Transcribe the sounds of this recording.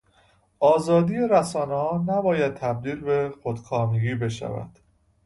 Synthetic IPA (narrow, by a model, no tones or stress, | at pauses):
ʔɒːzɒːd̪iːje̞ɾæsɒːnehɒːnæbɒːjæd̪̚t̪ʰæb̚d̪iːlbe̞xod̪̥kʰɒːmeɡiːbe̞ʃæ̰væ̰d̪̥